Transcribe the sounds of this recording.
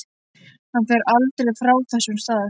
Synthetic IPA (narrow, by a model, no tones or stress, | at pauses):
hanfɛːɾʔalt̪ɾejfɾaːwθɛsːʏmst̪aːðʏ